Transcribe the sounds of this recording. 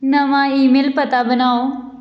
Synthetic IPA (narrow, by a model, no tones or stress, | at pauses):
nɐmãːiːmeːlpɐt̪abənaːoː